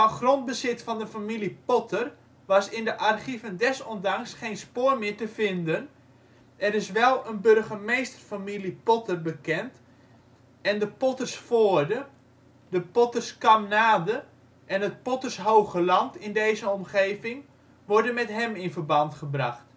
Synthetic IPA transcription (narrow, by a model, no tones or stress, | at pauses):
fɔnχrond̚bəzɪtfɑndəfamilipotʰər | ʋɑsɪndəʔarχivəndɛsɔndɑŋsχeːnspoːrmɪːɹtəfɪndən | ɛɾɪsʋɛlˠənbørχəmejstərfamilipotərbəkɛnt | ɛndəpotərsfoːrdə | dəpotərskɑmnaːdə | ʔɛnət̚pɔtərsɦowχəlɑntɪndejzəɔmχeːvɪŋ | ʋɔrdənmɛtɦɛmɪnfərbɑntχəbrɑχt